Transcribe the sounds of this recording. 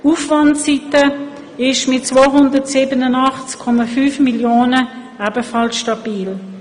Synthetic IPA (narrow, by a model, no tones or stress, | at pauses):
ufvɑntsitə | ɪʃmɪt̚t͡svoːɦʊndətsiːbənənɑχt͡skʰːɔmafyːfmiljoːnə | æbəfɑlsʃtɑbiːl